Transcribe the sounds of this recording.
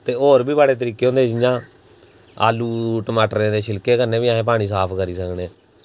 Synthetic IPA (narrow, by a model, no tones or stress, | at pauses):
t̪eːoːɾbiːbaːɽeːt̪̬əɾiːkːeːõːnd̪eːd͡ʒɪjãː | a̰ːluːʈəmaːʈəɾẽːd̪eːʃʰɪlkeːkəɾnẽːbiːaːɦẽːp̬aːɽ̃iːsaːpʰkəɾiːsəkneː